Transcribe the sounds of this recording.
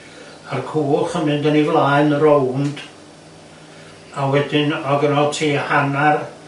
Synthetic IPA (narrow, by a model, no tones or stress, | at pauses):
arkʰuːlˠχəmɨndənivlˠaːɨnɾownd̥ | awɛdɪnɔɡənɔltʰiːhanar